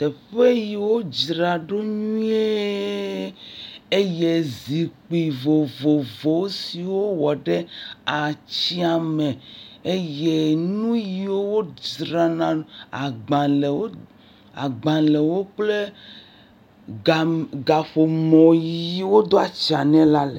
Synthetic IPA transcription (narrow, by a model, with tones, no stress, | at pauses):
t̪e˨ɸe˦ji˨wo˦d͡ʒɾa˨ɖo˦ɲũ˦e˦ | e˦je˦zi˨k͡pi˨vo˨vo˨vo˨wo˦si˨wo˦wɔ˨ɖe˦a˨t͡ɕi˦a˨me˨e˦je˦nũ˦ji˨wo˦wo˦d͡ʒɾa˨nã˨a˨ɡ͡bã˨le˨wo˦ | a̰˨ɡ͡bã˨le˨wo˦k͡ple˦ | a˨ɡa˨ɸo˨mɔ̃˨ji˨˦wo˦d̪o˦a˨t͡ɕi˨a˨nɛ̃˦la˦le˨